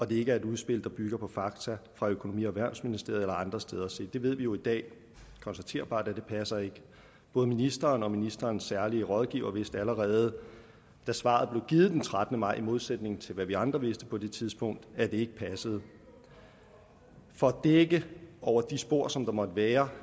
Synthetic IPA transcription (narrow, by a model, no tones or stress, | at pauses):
ɒ̽d̥e̝e̝ɡ̥əæɐe̝duð̞ˠsb̥e̝l̰d̥ɑ̈b̥yɡ̥ɐpʰɒ̽fɑ̈ɡ̥t͡sʰæfʁɑ̈økʰono̝mḭːɒʋæɐ̰nsminisd̥e̝ɐ̰ð̩ˠelɐɑ̈nd̥ʁɐsd̥eːð̞ˠɐse̝̰ːd̥e̝ʋe̝ð̞̰ˠʋijo̝id̥ɛ̰ː | kʰɒ̽nsd̥æt͡sʰe̝ːɐ̰b̥ɑ̰̈ːd̥æd̥e̝pʰæsɐe̝ɡ̥ə | b̥ɔ̽ːð̞̩ˠminisd̥ɐːnɒ̽minisd̥ɐːnsːæɐliəʁɒ̽ðˠɡ̥ḭːʊɐʋe̝sd̥əæləʁɛːð̞̩ˠ | d̥æsʋɑ̰̈ðˠb̥le̝ʊɡ̥iːð̩ˠd̥ent͡sʰʁad̥n̩əmɑ̈ɪimo̝ð̞ˠsed̥ne̝ŋnt͡sʰe̝lʋæʋiɑ̈nd̥ʁɐʋe̝sd̥əpʰɒ̽d̥e̝t͡sʰiðˠsb̥ɔ̽ŋ̰d̥æɐd̥e̝e̝ɡ̥əpʰæsəð̞̩ˠ | fɒ̽d̥eɡ̥əɒʊ̰ɐd̥isb̥o̝ɐ̰sɒ̽md̥ɑ̈mɒ̽d̥əʋæːɐ